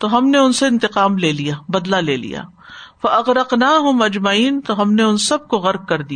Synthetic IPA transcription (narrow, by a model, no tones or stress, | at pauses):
t̪oɦɐmneʊnseɪ̃nt̪ɪqaːmleːlijaːbɐd̪laleːlḭja̰ː | fɐʔɐɣɾɐqnaːɦʊmɐd͡ʒmɐiːnt̪oɦɐmneʊnsɐb̚koɣɐɾk̚kɐɾd̪ija